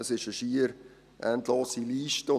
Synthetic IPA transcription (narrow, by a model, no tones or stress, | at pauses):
əsɪʃəʃiəɾ | ʔæ̰ndloːsiliːʃtəʊ